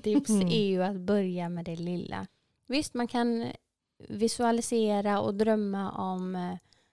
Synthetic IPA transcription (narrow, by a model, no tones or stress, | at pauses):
t̪ʰɪpsɛɾjɵat̪bœɾjamɛd̪ɛlɪlːa̰ | vɪst̪mankʰan | vɪsɵalɪseːɾaɔ̰d̪ɾœmːaʔɔm